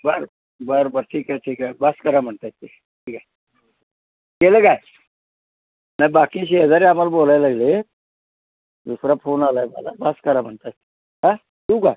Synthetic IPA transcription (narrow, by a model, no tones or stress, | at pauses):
bəɾ | bəɾbəɾʈʰiːkaʈʰiːkabaskəɾam̤əɳt̪at̪ːe | ʈʰiːkaj | kelekaj | nabakiːɕed͡zaɾeamalbolajlaɡle | d̪usɾafonalaemə̰la̰baskəɾam̤əɳt̪at̪ːe̥ | ɦa | t̪ũːka